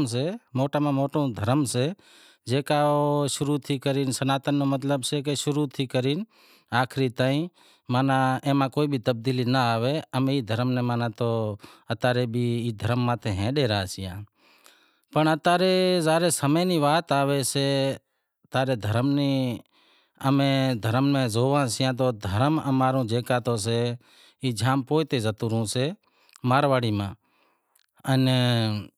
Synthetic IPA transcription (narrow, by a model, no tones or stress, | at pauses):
mseːmoːʈaːmãːmoːʈõːd̪ʱəɾəmseː | d͡ʒeːkaːoʃʊɾuːt̪ʰiːkəɾiːnsənaːt̪ənːõːmət̪ləbseːkeʃʊɾuːt̪ʰiːkəɾiːn | aːkʰɾiːt̪aːĩ | maːnãẽːmãːkoːibʱiːt̪əb̚d̪iːliːnəaːʋeːəmeiːd̪ʱəɾəmneːmaːnãːt̪oːət̪aːɾebʱiːiːd̪ʱəɾəmːãːt̪ʰẽɦɛ̃ːɗeːɾa̰ːt͡ʃɪjã̰ː | pəɳət̪aːɾeːzaːɾeːsəmeːniːʋaːt̪aːʋeːseː | t̪aːɾeːd̪ʱəɾmniː | əmẽːd̪ʱəɾmmẽːzoːʋãːsɪjãːt̪̬oːd̪ʱəɾəməmaːɾũːd͡ʒeːkaːt̪oːs̬eː | iːd͡ʒʱaːmpoːt̪eːzət̪uːɾũːseː | maːɾʋaːɽiːmã̰ː | ən